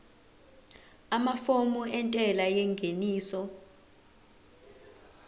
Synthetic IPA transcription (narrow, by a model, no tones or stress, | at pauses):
amafomuɛntʼɛlajɛŋɡʱeniːsɔ